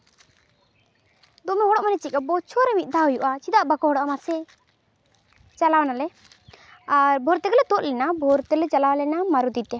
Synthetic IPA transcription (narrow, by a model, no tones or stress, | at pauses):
d̪ɔmɛɦɔɽɔʔmanɛt͡ʃikabɔt͡ʃʰɔɾɛmit̪̚ˀd̪ʱaɦujuʔat͡ʃid̪aʔbakɔɦɔɽɔʔamasɛ | t͡ʃalawanalɛ | aɾbʱɔɾt̪ɛɡlɛt̪ɔt̪̚lɛnabʱɔɾt̪ɛlɛt͡ʃalawalɛnamaɾud̪it̪ɛ